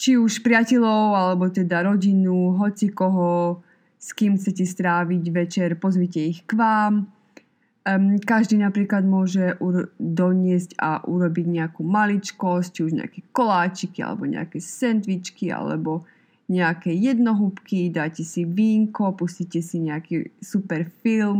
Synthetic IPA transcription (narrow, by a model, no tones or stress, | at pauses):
t͡ʃiuʃpɾɪacɛʎɔʊalɛbɔt̪ɛd̪aɾɔɟinuɦɔt͡sikɔɦɔ | skiːmxt͡sɛcɛst̪ɾaːʋiɟʋɛt͡ʃɛɾpɔzʋicɛixkʋaːm | kaʒd̪iːnapɾiːklad̪mʊɔʒɛʔuɾd̪ɔɲɪɛzca̰ʔuɾɔbiɟɲɛakuːmalit͡ʃkɔst͡ʃiuʒɲɛ̰a̰kɛkɔlaːt͡ʃikia̰lɛ̰bɔɲɛ̰a̰kɛsɛnd̪ʋit͡ʃkia̰lɛ̰bɔ | ɲɛakɛjɛd̪nɔɦupkid̪aːjcɛsiʋiːŋkɔpuscicɛsiɲɛakisupɛɾfilm